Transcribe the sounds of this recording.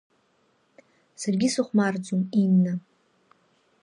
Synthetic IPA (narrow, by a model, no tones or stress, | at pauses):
sarɡʲɪsuχʷmard͡zuminːa